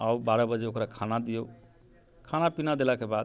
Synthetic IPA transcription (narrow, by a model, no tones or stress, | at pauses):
aubaɾəbəd͡ʒeokɾakʰanad̪ijo | kʰanapinad̪elakebad̪